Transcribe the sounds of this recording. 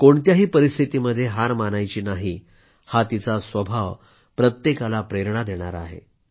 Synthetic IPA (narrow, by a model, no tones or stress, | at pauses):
koɳt̪jaɦiːpəɾist̪ʰit̪iməd̪ʱːjeɦaɾmanajt͡ɕiːnaɦiː | hat̪it͡sasʋəbʱaʋ | pɾət̪jekalapɾeɾɳad̪eɽ̃aɾaɦḛ